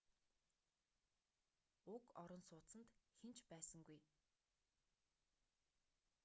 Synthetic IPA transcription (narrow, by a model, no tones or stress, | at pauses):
ʊkɔɾɞ̆nsʊːt͡sə̆nt̪xent͡ɕpæːsə̆ŋɡuj